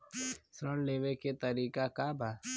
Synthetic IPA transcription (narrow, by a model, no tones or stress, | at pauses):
sɾəɽ̃leːʋeket̪əɾiːkakabʱa